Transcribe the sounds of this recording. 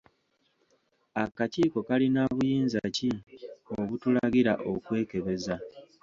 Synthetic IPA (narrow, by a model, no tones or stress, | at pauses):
akaciːko̞kalinaːβujiːnzacioβutulaɡiɾaʔokwe̞ːke̞βe̞za